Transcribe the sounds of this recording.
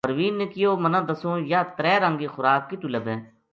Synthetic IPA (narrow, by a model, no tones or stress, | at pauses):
əɾʋiːnːekijoːmənãːd̪ɐsõːjaːt̪ɾɛːɾə̃ŋɡiːxʊɾaːkːit̪uləbẽː